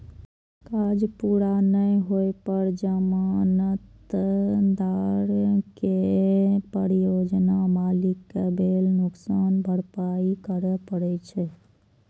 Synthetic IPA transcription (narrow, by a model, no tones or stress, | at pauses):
kad͡ʒpuɾanəjɦojpəɾd͡ʒəmanət̪ | d̪aɾkepəɾjod͡ʒnamalikːebʱelnʊksanbʱəɽpaikəɾɛpəɽɛt͡ʃʰɛ